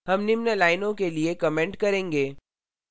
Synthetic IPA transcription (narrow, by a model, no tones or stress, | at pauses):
ɦɐmnɪmnelaːɪnõkeliekɐmɛ̃ːɳʈkɐɾẽːŋɡeː